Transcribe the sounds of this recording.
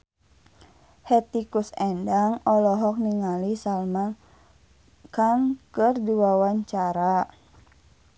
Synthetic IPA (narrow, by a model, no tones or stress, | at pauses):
hɛt̪ikusɛndaŋɔlɔɦɔk̚niŋalisalma | kaŋkɨrdiwawaɲt͡ʃaɾa